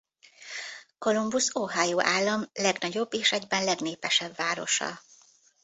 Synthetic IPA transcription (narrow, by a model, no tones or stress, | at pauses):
ko̞lumbusoːɦaːjoːʔaːlːɒmlɛɡnɒɟo̞bːeːʃɛɟbɛnlɛɡneːpɛʃɛbːaːɾo̞̰ʃɒ̰